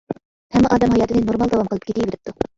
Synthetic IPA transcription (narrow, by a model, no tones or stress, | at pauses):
hɛmːɛʔɑːd̪ɛmɦɑjɑːt̪ɨɪnɪnoɾmɑlˠd̪ɑwɑmqəlˠɨp̚kʲʰet̪ʰijbeɾɪp̚t̪u